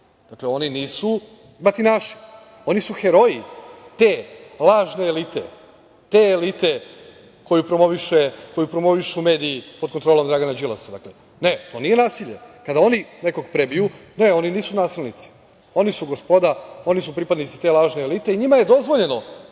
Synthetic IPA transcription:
d̪akleo̞niniːsu | mat̪inaʃi̥ | o̞nisuxeɾo̞it̪e̞ːlˠaːʒne̞ːlit̪ḛ | t̪e̞ːlit̪e̞ | ko̞jupɾo̞mo̞ʋiʃeko̞jupɾo̞mo̞ʋiʃume̞ːd̪iːpod̪kont̪ɾo̞ːlo̞md̪ɾaɡanad͡ʒilasad̪akle | ne̞t̪o̞ːnije̞naːsiʎe̞̰kad̪ao̞nine̞ko̞ɡpɾebijune̞o̞niniːsunaːsilˠnit̪si̥ | o̞nisuɡospod̪ao̞nis̬upɾipad̪nit̪si̥t̪e̞lˠaːʒne̞ːlit̪e̞iɲimaje̞d̪o̞zʋoʎe̞no

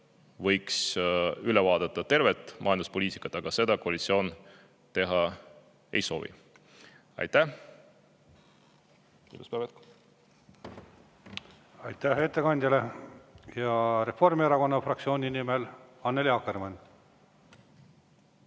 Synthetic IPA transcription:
vɤ̞jksylɛvɑːd̪̥ɑt̪ˑːɑt̪e̞rvet̪ːˑmʔɑ̰jɑnd̪uspoliːt̪ˑi̥kˑːɑt̪ːˑɑɡ̥ɑse̞d̪ɑkoɑlʲit̪sio̞ːn | t̪e̞ɦɑ | e̞̰jso̞̰ːvḭ | ɑ̰jt̪ːæh | ḭːmuspæːvet̪k | ɑjt̪ːæet̪ːe̞kɑnʲd̪ʲjɑle̞jɑɾe̞fo̞rmieɾɑko̞nːɑfrɑk̚tsio̞ːnʲinimelɑnːeliɑkːermɑnʲ

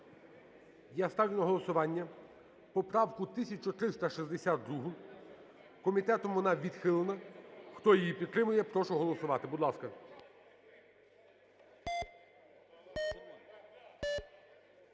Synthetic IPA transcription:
jɛst̪ɑʋʲnɔɦɔlˠɔsʊʋɑnʲːɐ | pɔpɾɑwkʊt̪ɪsʲɐt͡ʃɔt̪ɾɪst̪ɐʃizd̪esʲat̪̚d̪ɾuɦʊ | kɔmʲit̪ɛt̪ɔmʋɔnɑʋʲid̪xɪlˠenɐxt̪ɔjijipʲid̪̚t̪ːɾɪmʊjɛpɾɔʃɔɦɔlˠɔsʊʋɑt̪ɪbud̪lˠɑskɐ

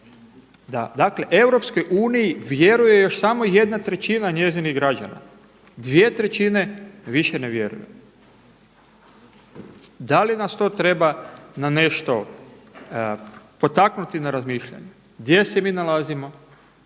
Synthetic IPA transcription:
d̪ad̪akle̞ʔe̞wɾo̞psko̞jʔuːnijiʋje̞ɾuje̞jo̞ʃsamo̞je̞d̪nat̪ɾet͡ʃinaɲe̞ziniɣɡɾad͡ʒa̰na̰ | d̪ʋje̞t̪ɾet͡ʃine̞ʋiʃeneʋje̞̰ɾṵjḛ | d̪alinast̪o̞ːt̪ɾe̞banane̞ʃt̪o̞ | po̞t̪aknut̪inaɾazmiːʃʎa̰ɲe | ɡd̪je̞semiːnalazimo̞

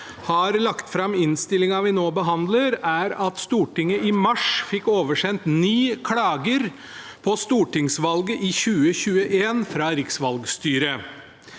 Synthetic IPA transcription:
hɑɾlɑkt̪fɾɑmɪnst̪ɪlːɪŋɑʋɪnoːbəɦɑnd̪ləɾæɾɑt̪st̪uːʈɪŋːəʔɪmɑʂfɪkːoːʋəʂɛnt̪niːkʰɽɑːɡəɾ | pʰɔst̪uːʈɪŋsʋɑlɡəʔɪçʉːəçʉːəʔeːnfɾɑɾɪksʋɑlɡst̪yːɾə

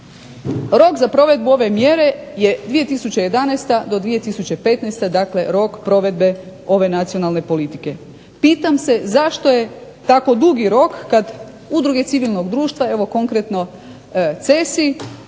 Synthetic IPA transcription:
ɾo̞kzapɾo̞ʋe̞d̪̚buo̞ʋe̞mje̞ɾe̞je̞d̪ʋije̞t̪isut͡ɕeje̞d̪anejst̪ad̪o̞d̪ʋije̞t̪isut͡ɕe̞pe̞t̪nest̪ad̪akle̞ɾo̞kpɾo̞ʋe̞d̪be̞o̞ʋe̞nat̪sio̞nalne̞po̞lit̪ike̞ | piːt̪amse̞zaʃt̪o̞je̞ | t̪ako̞d̪uɡiɾo̞kːad̪ | ud̪ɾuɡe̞t̪siʋilˠno̞ɡd̪ɾuːʃt̪ʋae̞ʋo̞ko̞ŋkɾet̪no̞ | t̪se̞si

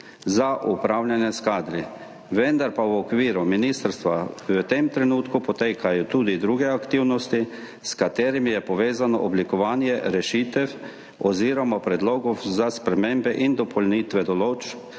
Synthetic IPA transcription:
zaʔupɾawlʲjanjɛskaːd̪ɾi | ʋɛnd̪aɾpawɔkʋiːɾuminist̪ɾst̪ʋawət̪emt̪ɾɛnuːt̪kupɔt̪eːkʰajɔt̪uːd̪id̪ɾuːɡɛakt̪iːwnɔst̪i | skat̪eːɾimijɛpɔʋeːzanɔ̰ʔɔblikɔʋaːnjɛɾɛʃit̪ɛ | ɔziːɾɔmɔpɾɛd̪loːɡɔzaspɾɛmeːmbɛʔind̪ɔpʰɔlniːt̪ʋɛd̪ɔloːt͡ʃ

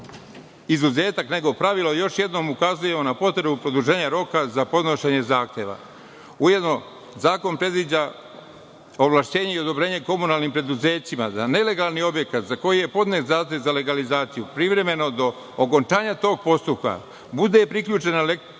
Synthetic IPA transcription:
izuze̞ːt̪akne̞ɡo̞pɾaʋilojo̞ʃje̞d̪no̞mukazuje̞mo̞napo̞t̪ɾe̞bupɾo̞d̪uʒe̞ːɲaɾo̞kazapo̞d̪no̞ʃeɲe̞zaːxt̪je̞ʋa̰ | uje̞d̪no̞ | zaːko̞npɾe̞d̪ʋid͡ʑa | o̞ʋlˠaʃt͡ɕe̞ːɲeio̞d̪o̞bɾeːɲe̞ko̞munalˠnimpɾe̞d̪uze̞ːt͡ʃimad̪ane̞le̞ɡalˠnio̞bje̞kat̪zako̞jije̞po̞d̪ne̞ːt̪zaːxt̪e̞ʋzale̞ɡalizaːt̪sijupɾiʋɾe̞me̞no̞d̪o̞ː | ko̞nt͡ʃaːɲat̪o̞ːɡ̚po̞st̪up̚ka̰ | bud̪e̞pɾikʎuːt͡ʃe̞nale

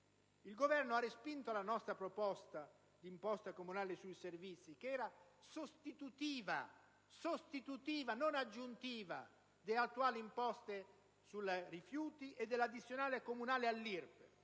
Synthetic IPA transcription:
ilɡovɛrnoarːespint̪olanɔst̪ɾapɾopɔst̪a | d̪impɔst̪akomunaːlesujservit̪sːikeɛːɾasost̪it̪ut̪iːva̰ | sost̪it̪ut̪iːvanonad͡ʒːunt̪iːva̰ | d̪eat̪ːuaːliːmpɔst̪e | sulrifjuːt̪iʔed̪ːelad̪it̪sjonaːlekomunaːlealːirb

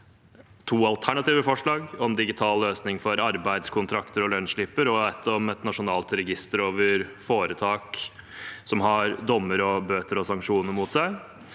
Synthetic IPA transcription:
t̪ʰuːɑlt̪ʰæɳɑt̪iːʋəfɔʂɭɑːɡɔɛnd̪ɪɡɪt̪ʰɑːlːøːsnɪŋfɔɾɑɾbæɪd̪skʰʊnt̪ʰɾɑkt̪əɾɔlœnʂɭɪpəɾɔɛt̪ʰːɔmɛt̪nɑʂʊnɑːlt̪ɾɛɡɪst̪əɾoːʋəɾfoːɾət̪ʰɑːk | sɔmɦɑɾd̪ɔmːəɾɔbøːt̪əɾɔsɑŋkʂuːnəɾmuːt̪sæɪ

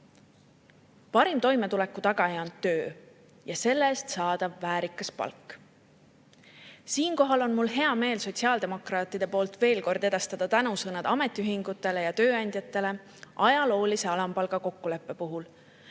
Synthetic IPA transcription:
pɑɾimt̪o̞jmet̪ule̞kːˑut̪ɑɡ̥ɑjɑnːø̞ː | jɑse̞lːeest̪sɑːd̪̥ɑvːæːɾikːˑɑspɑ̰lkːˑ | siːnko̞ɦɑlo̞nmulɦe̞ɑme̞ːlso̞t̪ʲsiɑːld̪e̞mo̞krɑːt̪ːˑid̪̥e̞po̞ːlt̪ve̞ːlko̞rd̪e̞d̪̥ɑst̪ɑd̪̥ɑt̪ænusɤnɑd̪ɑme̞t̪ːˑiyɦiŋɡ̥ut̪ːˑe̞le̞jɑt̪ø̞ːɑnʲd̪jɑt̪ːˑe̞le̞ | ʔɑjɑlo̞ːlise̞ɑlɑmpɑlɡ̥ɑko̞kːule̞pːe̞puɦul

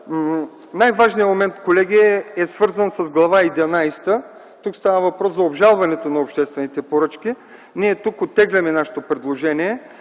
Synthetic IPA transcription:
najvaʒnijəmomɛnt̪kolɛɡʲiɛɛsvɤɾzənsɐzɡlˠɐvaid̪ɛnajst̪ə | t̪ukst̪avəvɐpɾɔszɐobʒalˠvɐnɛt̪onɐopʃt̪ɛst̪vɛnit̪ɛpoɾɤt͡ʃkʲi | niɛt̪ukot̪ːɛɡlʲɐmɛnaʃɛ̥t̪opɾɛd̪lˠoʒɛniɛ

